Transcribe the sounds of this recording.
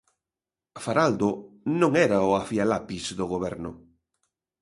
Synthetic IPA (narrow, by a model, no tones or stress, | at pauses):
faɾald̪ʊnõŋɛɾɐʊafialapizðʊɣoβɛɾnʊ